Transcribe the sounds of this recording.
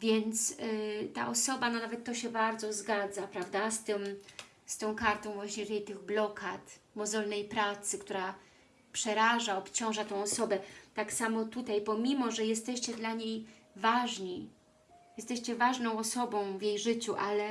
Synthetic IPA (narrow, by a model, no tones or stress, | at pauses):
vʲjɛnt̪st̪a̰ʔɔsɔbanɔnavɛt̪ːɔɕɛbaɾd̪zɔzɡad̪zapɾavd̪ast̪ɪm | st̪ɔ̃w̃kaɾt̪ɔ̃w̃vwaɕɲɛt̪ɛjt̪ɘɣblɔkʰat̪mɔzɔlnɛjpɾat̪sɘkt̪uɾa | pʂɛɾaʐaɔpt͡ɕɔ̃w̃ʐat̪ɛ̃w̃ɔsɔbɛt̪aksamɔt̪ut̪ajpɔmʲimɔʐɛjɛst̪ɛɕt͡ɕɛd̪laɲej | vaʐɲi | jɛst̪ɛɕt͡ɕɛvaʐnɔ̃w̃ɔsɔbɔ̃w̃vjejʐɘt͡ɕuʔalɛ